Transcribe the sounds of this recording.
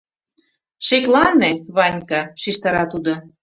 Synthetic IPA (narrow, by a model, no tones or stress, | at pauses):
ʃeklɑneβɑnʲkɑʃiʃt̪ɑɾɑt̪ud̪o